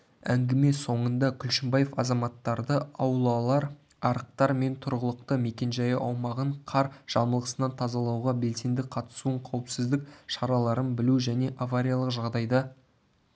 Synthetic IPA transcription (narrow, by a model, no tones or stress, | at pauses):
æŋɡʲɪme̞so̞ɴənd̪ɑkʲʰʏlʃɪmbaje̞fɑzɑmɑt̪ːɑɾd̪əɑwlˠɑlˠɑɾ | ɑɾəq̚t̪ɑɾme̞nt̪ʰʊɾʁəlˠəq̚t̪əme̞kʲe̞nʒɑjəʔɑwmɑʁəɴqʰɑɾʒ̥ɑməlˠʁəsənɑnt̪ʰɑzɑlˠɑwʁɑbe̞lse̞nd̪ɪqʰɑt̪ə̥suəɴqʰɑwəpsɪzd̪ɪk̚ʃɑɾɑlˠɑɾənbɪluʒæne̞ʔavaɾʲijalˠəqʒɑʁd̪ɑjd̪ɑ